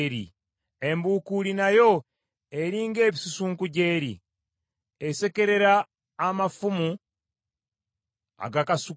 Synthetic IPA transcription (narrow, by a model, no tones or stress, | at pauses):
ɾḭ | e̞mbuːkuɾinajo̞ | eɾiːŋɡe̞ːβisusuːŋkuɟe̞ːɾḭ | ese̞ke̞ɾe̞ɾaː | mafumu | a̰ɡakasu